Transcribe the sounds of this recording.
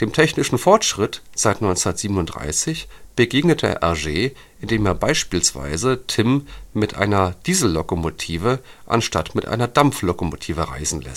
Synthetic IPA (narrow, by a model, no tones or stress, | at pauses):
d̥eːmtʰɛçnɪʃn̩fɔɐtʃʁ̥ɪtz̥aɪtnɔʏnt͡sɛnɐtz̥iːbənʊnd̥ʁa̰ɪsɪçb̥əɡeːɡnətʰə̰ʔɛɐʒeː | ʔɪndeːmeːɐbaɪʃpiːlsv̥a̰ɪzətʰɪmmɪtʔa̰ɪnɐd̥iːzl̩ːokomotʰiːvəʔa̰nʃtatmɪtʔa̰ɪnɐdamflokomo̰tʰiːvəʁa̰ɪzn̩lɛ̰st